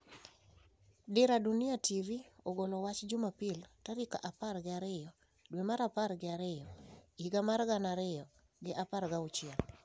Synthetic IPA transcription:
dɪɾadunɪativioɡolɔwat͡ʃd͡ʒʊmapiltaɾika̰ʔaparɡɪaɾɪjɔ | dwemaɾapaɾɡɪaɾɪjɔiɡamarɡanaɾɪjɔ | ɡɪʔapaɾɡaʊt͡ʃjɛl

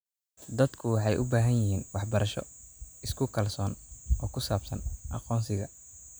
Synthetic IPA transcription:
d̪ɐd̪kʰʊwɑħɑjʔʊbaːɦɐjɪɦiːnwɑħbɐɾʔɐʃɔ̰ɪskʰʊkʰɐlsɔːnɔːkʰʊsaːbsɐ̰nʔɑ̰qɔːnsɪɣɐ

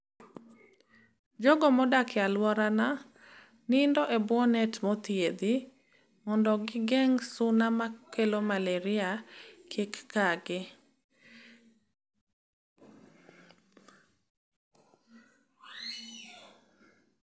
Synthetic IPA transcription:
d͡ʒɔɡɔmɔdakɪjalwɔɾana | nɪndɔʔɛbwɔnɛtmɔt̪ied̪i | mɔndɔɡɪɡɛŋsʊnamakːelomaleɾɪakʰikːaɡɪ

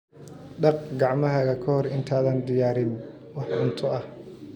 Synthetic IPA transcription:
ɖɐrqɡɑʕmɐɦɐɣɐkʰɐhɔrɪnt̪ʰaːðɐːnd̪ɪjaːɾɪn | wɑħbʊnt̪ʰɔɐh

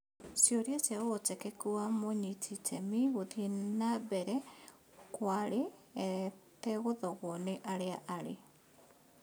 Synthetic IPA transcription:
sjoɾjasjaɣotɛkɛkuamoɲitʰitʰɛmiɣoðinabɛɾɛ | kwaɾeɛt̪ɛɣoðɔɣoneʔaɾeaʔaɾe

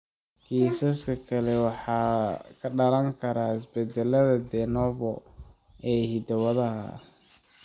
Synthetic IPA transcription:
kʰiːsɐskʰɐkʰɐlɛwɑħɑːkʰɐɖɐɾɐŋkʰɐɾaːhɪsbɛd̪ɛlɐðɐd̪ɛnɔvɔ | ɛːhid̪ɐwɐðɐɦɐ̰

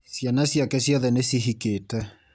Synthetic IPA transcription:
sjanasjakɛsiɔðɛnesiɦiketɛ

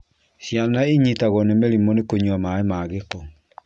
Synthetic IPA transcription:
ɕjanaiɲitaɣɔnemeɾimɔnekoɲwamaemaɣekɔ

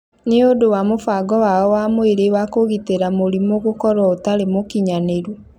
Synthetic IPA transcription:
neodowamofaːɡɔwaɔwamoeɾewakoɣiteɾamoɾimoɣokɔɾwɔotaɾemokiɲaneɾw

